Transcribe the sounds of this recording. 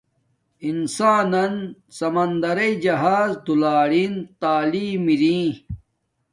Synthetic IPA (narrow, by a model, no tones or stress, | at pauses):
insaːnɐn | sɐmɐnd̪ɐɾɐid͡ʑɐɦaːzd̪ulaːɾint̪aːliːmiɾĩː